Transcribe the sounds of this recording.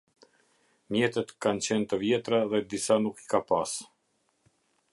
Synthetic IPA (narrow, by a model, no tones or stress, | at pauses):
mjɛt̪ɛt̪kant͡ɕɛnt̪əvjɛt̪ɾaðɛd̪isanuki̥kapas